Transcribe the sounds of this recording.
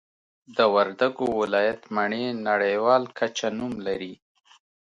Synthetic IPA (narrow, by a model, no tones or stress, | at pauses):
d̪əwaɾd̪aɡowɪlɑjat̪maɳenaɽejwɑlkʰat͡ʃanumlaɾi